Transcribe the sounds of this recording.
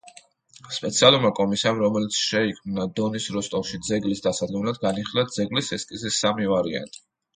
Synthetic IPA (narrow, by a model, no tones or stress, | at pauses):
spʼɛt̪sʰialˠuɾmakʼɔmisiamɾɔmɛlit̪sʰʃɛikʰmnad̪ɔnisɾɔst̪ʼɔfʃid̪zɛɡlisd̪asad̪ɡɛmlad̪̚ɡaniχilad̪zɛɡlisɛskʼizɛsamivaɾia̰nt̪ʼi̥